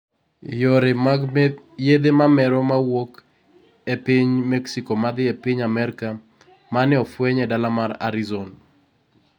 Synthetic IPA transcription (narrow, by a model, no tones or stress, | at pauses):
joɾɪmaɡ | jed̪emamɛɾɔmawok | epɪɲmɛksikɔmad̪ɪepɪɲamɛɾɪka | manɪɔfwɛɲɛdalamaɾa̰ɾizon